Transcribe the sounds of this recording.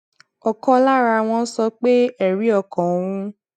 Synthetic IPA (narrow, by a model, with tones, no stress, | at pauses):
ɔ˨kɔ̃˧˦la˦˨ɾa˧˨w̃ɔ̃˧˦sɔ˧k͡pe˦ɛ˦˨ɾi˨˦ɔ˦˨kɔ̃˨wũ˧˦